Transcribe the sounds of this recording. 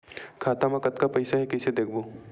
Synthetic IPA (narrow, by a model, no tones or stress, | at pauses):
kʰaːt̪amãkɐt̪kapɐɪsaɦɛkɛɪsed̪eːkʰboː